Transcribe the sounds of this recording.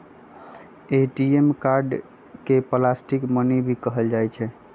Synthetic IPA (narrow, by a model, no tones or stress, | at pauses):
eʈiemkaɾɖ | keplasʈikmənibʱikəɦəld͡ʒajt͡ʃʰɛ